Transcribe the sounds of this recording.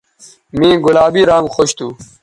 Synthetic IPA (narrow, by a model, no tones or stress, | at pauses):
mĩːɡulaːbiːɾãːŋɡxoɕt̪ʰuː